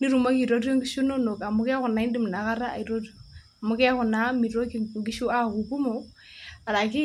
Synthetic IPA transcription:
ni˦ɾu˨ma˦ki˨ɾo˦ɾjo˦ŋɡi˦ʃu˦no˦no˨ka˨mʊ˦kɛ˦kʊ˨na˨i˦ndi˦m˨na˨˦ka˦ɾa˦a̰˨i˨ɾo˦ɾi˨o˨ | a˨mʊ˦kɛ˦a˦kʊ˨na˨˦mi˨ɾo˦ki˨ŋɡi˦ʃu˦a˦˨ku˨ku˦mo˨ | a˨ɾa˨kɪ˦

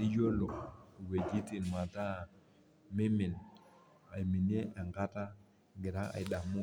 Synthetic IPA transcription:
di˦jo˦lo˨we˨d͡ʒi˦ti˨nma˨ta˦˨ | me˦mi˨n | a˨jmi˨nje˦e˨ŋɡa˦ta˦ | ɡi˨ɾa˦a̰˨jda˨mu˦

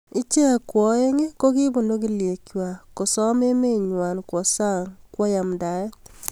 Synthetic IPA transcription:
ɪ˦t͡ʃe˦˨kwɔ˨˦e˦ŋe˦ko˦ki˦bo˨ndo˦ki˦lje˨kjwa˨ko˨sɔ˦me˦me˦˨ɲwa˨nkwɔ˨sa˦ŋkwɔ˦ja˨mda˨ɛ˦t

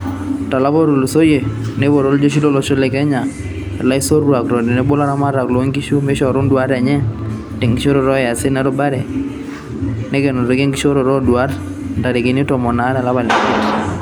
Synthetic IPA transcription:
ta˨la˦bɔ˦ɾo˨lo˨so˦je˨ne˦bo˨ɾo˦ld͡ʒo˦ʃ̬i˦lo˦lɔ˦ʃo˦le˨kɛ˦ɲa˨ | ɛ˨la˦i˦so˦ɾwa˨kɾɔ˨de˨ne˦bo˦la˦ɾa˦ma˦ɾa˨klɔ˨˦ŋɡi˦ʃu˦me˦ʃɔ˨ɾo˦ndwa˦ɾa˨ɲɛ˦ | te˨ŋɡi˦ʃo˦ɾo˨ɾɔ˦ja˨se˦nɛ˦ɾɔ˦ba˦ɾɛ˨ | ne˦ke˨no˨ɾe˨ke˦ŋɡi˦ʃo˦ɾo˨ɾɔ˦dwa˦ɾ | nda˨ɾe˨ke˨ni˦tɔ˨mɔ˨na˦ɾa˨la˦ba˨la˨ke˦ɾ

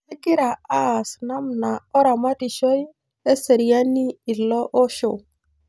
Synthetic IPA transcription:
ɛ˦ɡɪ˦ɾa˨a˦˨sna˦mna˨ɔ˦ɾa˨ma˦ti˨ʃo˦j | e˦se˨ɾi˨ja˦ni˦ɪ˨lɔ˦ʔɔ˦ʃo̰˨

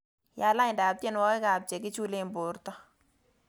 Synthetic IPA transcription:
ja˨la˦ɪ˨nda˨a˨p̚tjɛ˦nwɔ˦kɛ˦ka˨p̚t͡ʃe˨kɪ˦t͡ʃu˦le˦˨mbʊ˨ɾtɔ˦

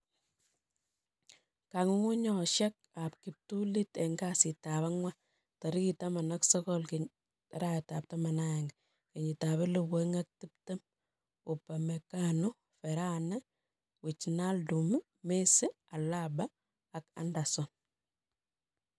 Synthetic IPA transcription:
kaŋ˦ŋu˦ɲɔ˨ʃɛ˦k̚a˨p̚ki˨p̚tu˦li˦te˨ŋɡasi˨ta˨βa˦ŋwa˦ | ta˨ɾi˦ki˨ta˦ma˨na˦ksɔ˦kɔ˦lke | tɾa˦ta˨p̚ta˦ma˨na˦ɛ˨ŋɡ | ke˨ɲita˨βe˦luwe˦ŋa˦k̚ti˦p̚te˦m | u˨pa˨me˨ka˦no˦ | fɛɾa˦nɛ˦ | wi˨t͡ʃna˦ldu˨mu˦ | me˦se˦ | a˨labaː˦˨ | ka̰˦nda˨sɔ˨n

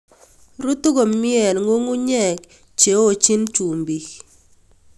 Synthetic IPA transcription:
ɾu˦tu˦ko˨mɪ˦ɛ˨lŋo˦ŋu˦ɲɛ˦˨k | t͡ʃe˨o˦˨t͡ʃi˦nt͡ʃu˨mbi˨k

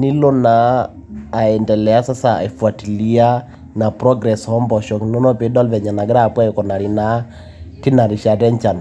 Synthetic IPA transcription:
ni˦lo˦naː˨˦˨ | ɛ˨ndɛ˨lɛ˨a˦sa˦sa˨ɛ˨fa˨ti˨li˦a˦ | na˨pɾɔ˦ɡɾɛ˨shɔ˦mbɔ˨ʃɔ˨knɔ˦nɔ˦pe˨˦dɔ˦lvɛ˨ɲa˨na˨ɡɪ˦ɾa˦˨pwa˦˨kɔ˨na˨ɾi˨na˨˦ | ki˦na˨ɾi˨ʃa˨dɛ˦nt͡ʃa˨n

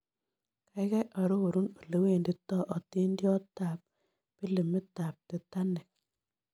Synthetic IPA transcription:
ka˨˦ɪ˦ka˦ʔa˨ɾo˦o˨ɾu˦no˨le˦we˦˨ndi˦tɔ˦ʔɔ˨ti˦ndjɔ˦ta˨p̚ | pi˦li˨mːɪ˦ta˨p̚te˨ta˦nɛ˨

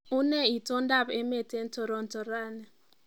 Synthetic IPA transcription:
u˦ne˦i˨tɔ˦n˦da˦˨pe˦me˦˨te˦n̩˦tʰɔ˨ɾɔ˨n̩˦tɔ˨ɾaː˦˨nɛ˨

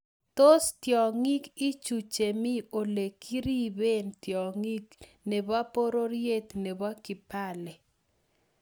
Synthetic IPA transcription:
t̪o˦st̪jɔ˨ŋi˦ki˦t͡ʃu˨t͡ʃe˨mi˦o˨le˨ki˦ɾi˦be˦nt̪jɔ˨ŋi˦k | ne˨ba˦po˦ɾo˦ɾje˦t̪ne˨ba˦kɪ˨pa˦˨lɛ˨

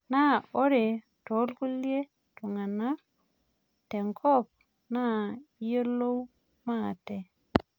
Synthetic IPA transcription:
na˦˨o˦ɾe˨ | tɔ˨˦lku˦lje˦ | tu˨ŋa˨na˦ | tɛ˨ŋkʰɔ˦˨p̚ | na˦jo˦lo˦w | ma˦˨tɛ˨

